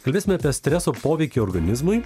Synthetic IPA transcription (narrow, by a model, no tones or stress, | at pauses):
kɐlʲbʲeːsʲɪmʲɛɐpʲiɛsʲt̪ʲɾʲɛsoːpoːʋʲɛɪkʲiɔɾɡɐnʲɪzmʊɪ